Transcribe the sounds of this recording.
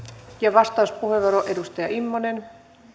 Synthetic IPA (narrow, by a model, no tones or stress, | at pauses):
jɑʋɑst̪ɑuspuheʋːoɾoʔe̞dust̪ɑjɑʔimːonen